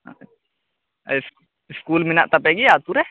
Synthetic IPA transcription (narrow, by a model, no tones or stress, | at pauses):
s | ɪskulminaʔt̪apɛɡiat̪uɾɛ